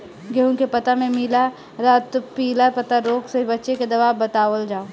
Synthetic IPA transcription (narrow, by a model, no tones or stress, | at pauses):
ɡeunkepət̪amẽmɪla | ɾat̪piːlapət̪aɾoːksebətːʃeked̪ɐʋaːbət̪aːʋəld͡ʒaːo